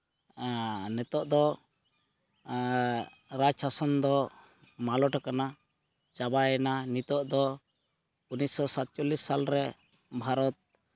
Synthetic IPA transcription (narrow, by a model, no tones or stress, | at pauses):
nɛt̪ɔʔd̪ɔ | ɾat͡ʃʰasɔnd̪ɔ | malɔʈakana | t͡ʃabajɛnanit̪ɔʔd̪ɔ | unisɔsat̪̚t͡ʃɔlisːalɾɛ | bʱaɾɔt̪̚